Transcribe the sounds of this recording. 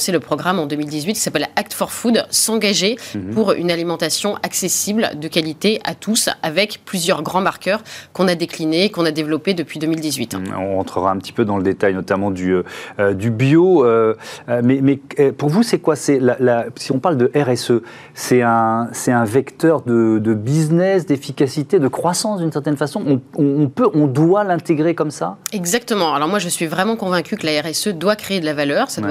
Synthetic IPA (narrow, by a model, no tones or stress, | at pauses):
seləpχɔɡʁamɑ̃d̪əmild̪izɥit̪̚ki̥sapɛlak̚t̪fɔʁfud̪sɑ̃ɡaʒepuʁy̰nalimɑ̃t̪asjɔ̃ʔaksesibld̪əkalit̪eʔa̰t̪ʰusavɛkplyzjœʁɡʁɑ̃maʁkœʁkɔ̃nad̪eklineːkɔ̃nad̪evlɔped̪əpɥid̪əmild̪izɥit̪ɔ̃ʁɑ̃t̪χəʁaɛ̃pət̪i̥pød̪ɑ̃ləd̪et̪ajnɔt̪amɑ̃d̪yød̪ybjoøømɛmɛpuʁvusɛkwasɛlalasiɔ̃paʁld̪əʔɛʁɛsø | sɛɛ̃sɛt̪ɛ̃vɛkt̪œʁd̪əd̪əbiznɛsd̪efikasit̪ed̪əkχwasɑ̃sd̪ynsɛʁt̪ɛnfasɔ̃ʔɔ̃ɔ̃ɔ̃pøʔɔ̃d̪walɛ̃t̪eɡʁekɔmsaɛɡzak̚t̪əmɑ̃alɔʁmwaʒəsɥivʁɛmɑ̃kɔ̃vɛ̃kʲykəlaɛʁɛsød̪wakχeːd̪əlavalœːʁsa